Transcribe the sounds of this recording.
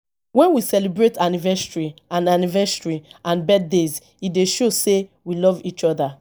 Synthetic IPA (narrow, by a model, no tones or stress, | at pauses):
wɛ̃nwisɛlibɹetanivɛsɹiãnanivɛsɹiãnbɛd̚dez | ideʃose | wilɔvit͡ʃɔda